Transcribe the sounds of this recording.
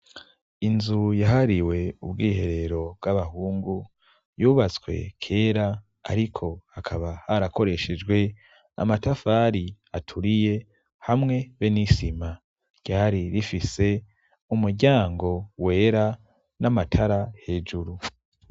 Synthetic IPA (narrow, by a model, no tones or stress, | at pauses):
inzujaɦaɾiwe̞ubɡiːhe̞ɾe̞ɾo̞b̚ɡaβahuːŋɡu | juːβat͡swe̞̰kʰe̞ːɾa | a̰ɾikʰo̞hakʰaβahaɾako̞ɾe̞ʃe̞d͡ʒɡwe̞ | a̰matafaːɾi | atʰuɾije̞ | hamŋe̞βenisima | ɟ̥aːɾiɾifise̞ | umuɾɟaːŋɡo̞we̞ːɾa | namatʰaɾahe̞ːd͡ʒuɾu